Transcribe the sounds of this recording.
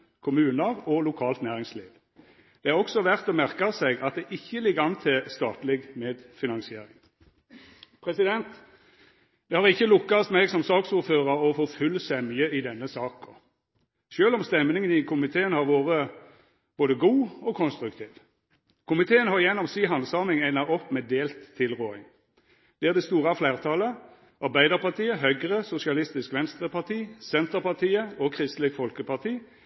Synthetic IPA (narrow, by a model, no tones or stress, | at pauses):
kʰʊmʉːnəʁɔlʊkʰɑːlt̪næːʁɪŋsliːʋ | d̪̥ɛæʁɔksɔʋæʁt̪ɔmæʁkɑsɛɡɑt̪̚d̪ɛʔɪçːəlɪɡɑnt̪ʰɪst̪ɑːt̪lɪɡmeːd̪fɪnɑnsɪeːɾɪ̰ŋ | pʰʁɛsɪd̪ɛnt̪ | d̪̥ɛhɑʁɪçːəlʊkːɑst̪mɛɡsɔmsɑːksuːɾføːʁəʁɔfoːfʉlːəsɛmyːəɪd̪ɛnːəsɑːkɔ̰ | ʃøːlɔmst̪ɛmnɪŋənɪkʰʊmɪt̪ʰeːənhɑʁʋoːʁə | b̥oːd̪əɡuːɔkʰɔnst̪ɾʉkt̪ʰiːʋ | kʊmɪt̪ʰeːənhɑʁjɛnɔmsiːɦɑnsɑːmɪŋæɪnɑɔpːmɛːd̪eːlt̪ʰːɪlʁoːɪŋ | d̪̥ɛæːʁd̪ɛst̪uːʁɑflæːʁt̪ʰɑːlə | ɑʁbæɪd̪əʁpɑt̪ʰiːəɦœʏɡʁəsʊsɪɑlɪst̪ɪskʋɛnst̪ʁəpɑʁt̪ʰiːsɛnt̪əʁpɑʁt̪ʰiːəɔkʰʁɪst̪lɪkfɔlkəpɑt̪ʰiː